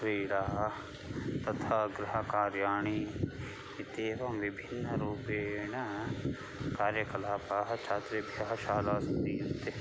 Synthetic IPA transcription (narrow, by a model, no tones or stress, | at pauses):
ɾeːɽaː | t̪ɐt̪ʰaːɡɾɪɦɐkaːɾjaːɳ̃i | ɪt̪eːʋɐmʋɪbʱɪnːɐɾuːpeːnɐ | kaːɾjɐkɐlaːpaɦɐt͡ʃʰaːt̪ɾibʱjɐɦɐʃaːlaːsiːnt̪e